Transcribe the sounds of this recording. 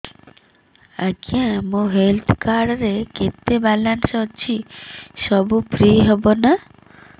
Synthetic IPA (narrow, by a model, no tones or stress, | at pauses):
akiãmõɦelt̪ʰkaɽɔɾeket̪ːebalansɔɔt͡ʃʰisɔbupɾiɦebona